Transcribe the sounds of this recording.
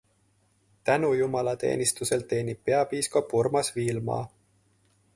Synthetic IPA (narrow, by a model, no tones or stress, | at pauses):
t̪ænujumɑlɑt̪e̞̰ːnist̪use̞lt̪e̞ːnipːeɑpiːskɑpurmɑsviːlmɑ̰ː